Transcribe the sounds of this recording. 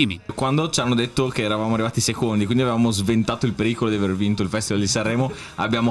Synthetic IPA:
imikːwand̪ot͡ʃanːod̪et̪ːokeɛːɾavamoarːivaːt̪isekond̪ikwind̪iavevaːmozvent̪aːt̪oilpeɾiːkolod̪iavervint̪oilfɛst̪ivald̪isarːɛːmo | a̰bːjaːmo

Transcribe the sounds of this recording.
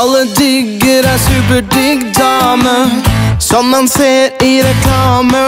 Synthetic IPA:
lːəd̪ʏɡəɾæsʉːpəɖʏɡd̪ɑːməsɔmːɑnseːɾiɾɛkʰlɑːmə

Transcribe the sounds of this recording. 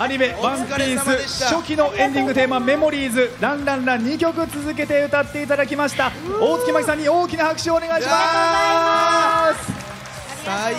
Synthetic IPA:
aɲ̟ime̞bãmpʲiːsɨɕo̞kʲino̞ʔẽ̞nd̪ʲĩŋɡɯ̟t̪e̞ːmame̞mo̞ɾʲiːzɨɾãnɾãnɾaɲ̟ːikʲo̞k̬ɯ̟t͡sɨzɨk̬e̞t̪e̞ɯ̟t̪at̪ːe̞it̪ad̪ak̬ʲimaɕi̥t̪ao̞ːkʲimakʲi̥sãɲ̟ːio̞ːkʲinahakɯ̟̥ɕioːne̞ɡaiɕima | s

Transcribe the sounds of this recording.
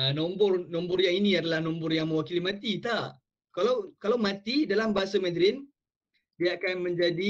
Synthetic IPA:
nɔmbʊrnɔmbʊrjaŋinĩadalahnɔmbʊrjaŋmə̃wakilimãt̪it̪a | kalawkalawmãt̪idalambaɦasamɛd̪ɾɪn | diaakanmə̃ɲd͡ʒadi

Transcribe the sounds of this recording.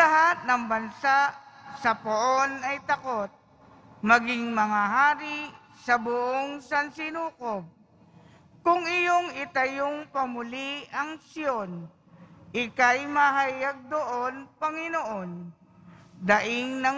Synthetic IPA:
ɐɦat̪̚nɐŋbɐnsaʔsɐpoʔonɐjt̪ɐko̞t̪̚ | mɐɡɪŋmɐŋaɦaːɾi | sɐbʊʔoŋsɐnsɪnuːkob̚ | kʊŋɪjo̞ŋɪt̪ɐjoŋpɐmʊliʔɐŋsɪo̞n | ʔɪkajmɐɦɐjaɡ̚d̪oʔo̞npɐŋɪnoʔo̞n | d̪ɐʔɪŋnɐ

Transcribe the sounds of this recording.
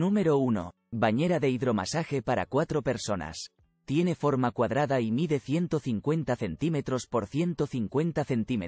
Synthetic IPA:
numeɾouno̞̰ | baɲe̞ɾaðe̞iðɾo̞ma̰saxepaɾa̰kwat̪ɾo̞pe̞ɾso̞na̰s | t̪je̞ne̞fo̞ɾmakwaðɾaðaimiðe̞θje̞nt̪o̞θiŋkwe̞nt̪aθe̞nt̪ime̞t̪ɾo̞spo̞ɾθje̞nt̪o̞θiŋkwe̞nt̪aθe̞nt̪ime

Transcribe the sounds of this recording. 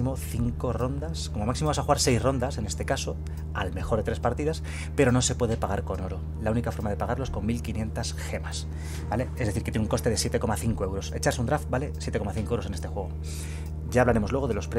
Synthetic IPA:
imo̞θiŋko̞ro̞nd̪askomomaksimoasaxuɣaɾse̞jzro̞nd̪ase̞nest̪e̞kaso̞ | alme̞xo̞ɾðet̪ɾespaɾt̪iðas | pe̞ɾo̞no̞se̞pwe̞ð̞epaɣaɾko̞no̞ɾo | launikafo̞ɾmaðe̞paɣaɾlo̞esko̞ŋmilkinje̞nt̪asxe̞mas | bale̞e̞zðθiɾkt̪jenuŋko̞st̪e̞ð̞e̞sje̞t̪eko̞maθiŋko̞e̞wɾo̞se̞t͡ʃaɾseund̪ɾaft̪bale̞sjet̪ekomaθiŋkoewɾose̞ne̞st̪e̞xwe̞ɣo | ɟ͡ʝaːβlaɾe̞mo̞lwe̞o̞ðe̞lo̞spɾe

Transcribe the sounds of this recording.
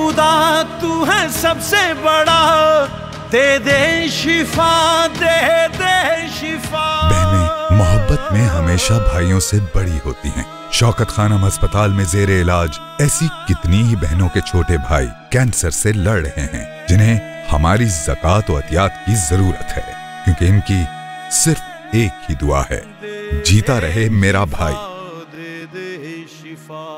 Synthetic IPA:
ʊd̪aːt̪uɦɛ̃sɐbsebɐɽaː | d̪eːd̪eʃɪfʰaːd̪eːd̪eːʃɪfaːbɛɦnẽmʊɦəbːət̪mẽɦɐmeːʃabʱaːijõsebɐɽiɦo̰ːt̪iɦɛ̰̃ː | ʃɔːkət̪xaːnəmɦɐspət̪aːlmẽzeːɾeɪlaːd͡ʒ | ɛːsikɪt̪niɦibɛɦnõket͡ʃʰoːʈebʱaːḭkɛ̃ːnsəɾselɐɽɽɐɦẽɦɛ̰̃ː | d͡ʒɪnɦẽ | hɐmaːɾizɐkaːt̪ɔːɐt̪jaːt̪kizɐɾuːɾə̰t̪hɛ̰ː | kjũːkiɪnki | sɪɾf | eːkhid̪ʊa̰ɦɛ̰ː | d͡ʒiːt̪aɾɐɦemeːɾabʱaːḭː

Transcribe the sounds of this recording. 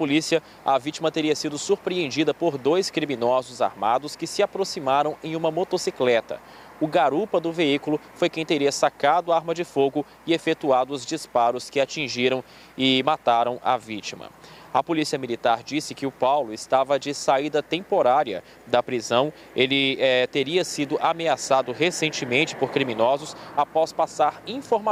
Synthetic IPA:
ɐpolisiɐ | ɐvit͡ʃimɐt̪eɾiɐsid̪ʊsuɾpɾiẽnd͡ʒid̪ɐpoɾd̪ojskɾimĩnɔzʊza̰ɾmad̪ʊskɪsɪapɾosimaɾɐ̃w̃ẽj̃ũmɐmot̪osiklɛt̪ɐ̰ | ʊɡaɾupɐd̪ʊveikʊlʊfojkẽj̃t̪eɾiɐsakad̪ʊaaɾmɐd͡ʒɪfoɡʊ | ɪefet̪uad̪ʊʊzd͡ʒispaɾʊskɪat͡ʃĩʒiɾɐ̃w̃ | ɪmat̪aɾɐ̃w̃ʔɐ̰vit͡ʃimɐ̰ | ɐpolisiɐmilit̪aɾd͡ʒisɪkɪʊpawlʊɪst̪avɐd͡ʒɪsaid̪ɐt̪ẽpoɾaɾiɐ̰ | d̪ɐpɾizɐ̃w̃ | elɪɛt̪eɾiɐsid̪ʊʔameasad̪ʊɦesẽnt͡ʃɪmẽnt͡ʃɪ̥poɾkɾimĩnɔzʊsapɔspasaɾĩfoɾma

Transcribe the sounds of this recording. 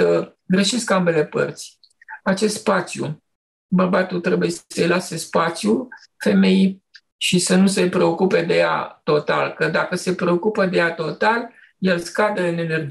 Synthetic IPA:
ə | ɡɾeʃeskambe̞le̞pə̰rt̪sʲ | at͡ʃe̞st̪spat̪sjṵ | bərbat̪ult̪ɾe̞bujesəjlasespat̪sju | fe̞me̞j | ʃisənuse̞pɾe̞o̞kupe̞d̪e̞ja̰t̪o̞t̪a̰lkəd̪akəse̞pɾe̞o̞kupəd̪e̞jat̪o̞t̪al | je̞lskad̪əɨne̞ne̞rd͡ʒ

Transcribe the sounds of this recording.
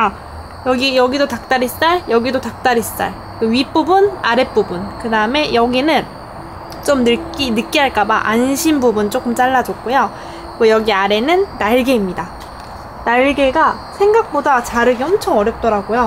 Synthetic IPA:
a | jʌɡijʌɡidotak̚t͈aɾis͈aɭjʌɡidotak̚t͈aɾis͈a̰ɭ | kɯɥip͈ubunaɾe̞p͈ubunkɯdaɯme̞jʌɡinɯn | t͡ɕ͈omnɯk͈inɯk͈iɦaɭk͈abaʔanɕʰinbubunt͡ɕ͈ok͈ɯmt͡ɕ͈aɭːad͡ʑʌk̚k͈ujo | kʌjʌɡiaɾe̞nɯnːaɭɡe̞imɲida | naɭɡe̞ɡa | sʰe̞ŋɡak̚p͈odat͡ɕaɾɯɡiʌmt͡ɕʰʌŋʌɾjʌp̚t͈ʌɾaɡojo

